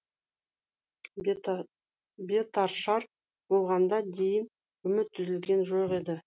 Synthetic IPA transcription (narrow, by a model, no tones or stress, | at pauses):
bet̪ɑɾʃɑɾ | b̥olˠʁɑnd̪ɑd̪e̞jɪn | ʏmɪt̪ʰːʏzɪlɡʲe̞nʒoqe̞d̪ɪ